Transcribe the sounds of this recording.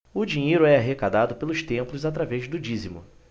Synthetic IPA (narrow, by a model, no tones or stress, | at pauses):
ʊd͡ʒĩɲejɾʊɛaɦekad̪ad̪ʊpelʊʃt̪ẽmplʊzat̪ɾavɛʒd̪ʊd͡ʒizimʊ̰